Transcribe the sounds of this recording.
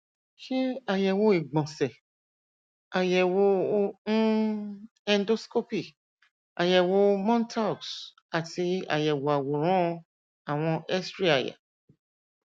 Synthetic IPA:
ʃi˦a˨jɛ˨wo˧i˨ɡ͡bɔ̃˨sɛ˨ | a˨jɛ˨wo˧˦ũ˦ | ɛ˦n˦do˦sko˦pi˦˨ | a˨jɛ˨wo˧mɔ̃˦n˦tʰa˦u˨s | a˨ti˧a̰˨jɛ˨wo˨a˨wo˨ɾ̃ɔ̃˦˧ | a˨w̃ɔ̃˧ʔɛ˦stɾi˦a˨ja̰˨

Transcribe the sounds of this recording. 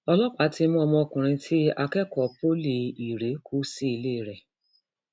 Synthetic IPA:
ɔ˧lɔ˦k͡pa˨˦ti˧˦mɔ̃˦˧mɔ̃˧˦˧kũ˨ɾ̃ĩ˧tʰi˦a˦kɛ˦kɔ˨po˦li˨i˨ɾe˨˦kʰu˦si˦i˧le˦˨ɾɛ˨

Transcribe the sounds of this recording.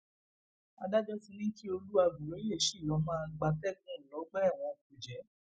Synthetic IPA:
a˧da˦d͡ʒɔ˦fĩ˧nĩ˦ki˦o˧lu˦a˧ɡu˨ɾẽ˨˦i˦le˦˨ʃi˦˨jɔ˨˦mãː˦˧˦ɡ͡ba˧fɛ˦˨kũ˨˦˨lɔ˨˦ɡ͡bɛ˦˨w̃ɔ̃˧ku˨d͡ʒɛ˨˦

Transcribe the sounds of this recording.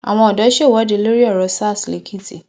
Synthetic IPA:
a̰˨w̃ɔ̃˧ɔ˨dɔ˨˦ʃe˦˨wɔ˦de˨lo˦ɾi˦ɔ˦˨ɾɔ˨sa˦˨sle˨kʰi˦ti˨

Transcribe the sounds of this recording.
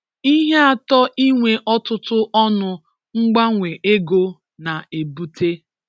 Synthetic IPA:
i˦ɦe˦a˦˨tɔ˦ʔi˦ŋʷe˦ʔɔ˦tʊ˦tʊ˦ʔɔ˦nʊ˨ | ŋ̩˦ɡ͡ba˦ŋʷe˨ʔe˦ɡo˦ | na˨e˨bu˦tʰe˦

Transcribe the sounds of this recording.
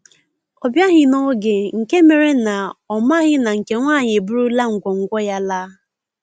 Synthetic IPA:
ɔ˨bja˦ɣɪ˦nɔ˦ɡe˨ŋ̩˨ke˦me˨ɾe˦na˨ɔ˨ma˦ɣɪ˦na˨ŋ̩˨ke˨ŋʷaː˦˨ɲɪ˨bu˦ɾu˦la˦ŋ̩˨ɡʷɔ˨ŋ̩˨ɡʷɔ˦ja˦laː˦

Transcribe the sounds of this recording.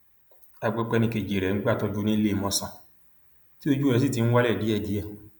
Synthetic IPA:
a˧ɡ͡bɛ˧k͡pɛ˧nĩ˧ke˨d͡ʒe˨ɾɛ˨ŋ̩˦ɡ͡ba˦˨tɔ˧d͡ʒu˦nĩ˦le˦˧˨mɔ̃˧sã˧˨ | ti˦o˧d͡ʒu˦ɾɛ˨˧s̬i˦˨ti˨˧ñ̩˦wa˦lɛ˦˨di˨˦ɛ˦˨di˨˦ɛ˦˨

